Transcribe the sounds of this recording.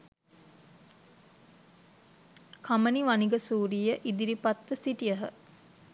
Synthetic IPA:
kʰaməniʋaniɡəsuːɾijəʔid̪iɾipat̪ʋəsiʈijəɦə̰

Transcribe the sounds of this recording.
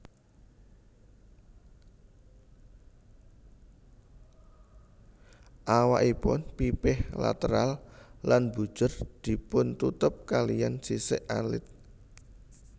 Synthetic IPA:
ʔawaʔipʊ̰npipɪhla̰t̪əɾallanbṳ̥ʒ̥ʊ̤rd̪̥i̤pʊnt̪ut̪ʊp̚kalijansisɪʔalɪ̰t̪̚

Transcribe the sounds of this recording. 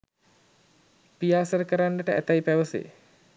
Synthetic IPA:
pijaːsəɾəkəɾanːəʈəæt̪ajipæʋəsḛ

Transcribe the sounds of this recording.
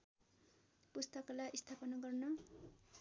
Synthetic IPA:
pust̪ʌkʌlaʔist̪ʰapʌnʌɡʌrnʌ

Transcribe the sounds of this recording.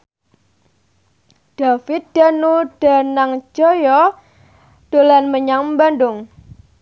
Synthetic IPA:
d̥afɪt̪̚d̥a̤nud̥a̤naŋd͡ʒ̥ɔjɔ | d̥olanməɲaŋmbanɖʊŋ

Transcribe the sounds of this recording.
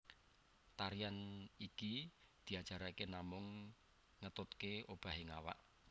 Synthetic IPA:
t̪aɾijanikid̪̥i̤ad̥ʒ̥a̤ɾakenamʊŋː | ət̪ʊt̪̚keʔob̥a̤ɦɪŋawa̰ʔ

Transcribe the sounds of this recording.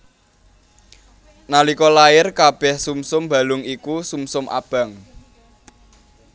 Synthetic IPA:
nalikɔlajɪrkab̥ɛ̤hsumsʊmba̤lʊŋikusumsʊmʔa̰b̥a̤ŋ

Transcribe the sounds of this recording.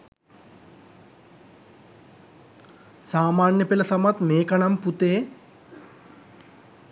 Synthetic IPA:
saːmaːnjɐpilɐsɐmɐt̪meːkɐɳɐmput̪eː

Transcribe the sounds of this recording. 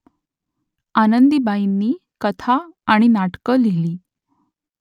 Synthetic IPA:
anənd̪ibainːiːkət̪ʰaːɽ̃inaʈkəleliː

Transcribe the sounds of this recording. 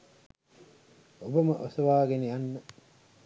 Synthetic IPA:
obəməʔosɐʋaːɡenejanːə

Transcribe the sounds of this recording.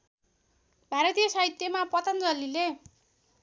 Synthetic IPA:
bʱaɾʌt̪ijʌsait̪jemapʌt̪ʌnd͡zʌlile

